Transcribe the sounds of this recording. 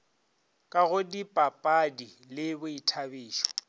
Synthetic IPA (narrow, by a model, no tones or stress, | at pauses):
kʼaɣʊdipʼapʼadi | lɪbʊitʰabiːʃɔ̥